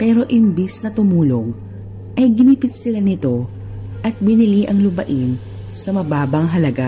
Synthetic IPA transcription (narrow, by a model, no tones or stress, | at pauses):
pɛːɾo̞ʔɪmbisnɐt̪ʊmuːlo̞ŋ | ʔɐjɡɪnipɪt̪̚sɪlanɪt̪o̞ | ʔɐt̪̚bɪnɪliʔɐŋlʊbɐʔɪn | sɐmɐbaːbɐŋɦɐlɐɡa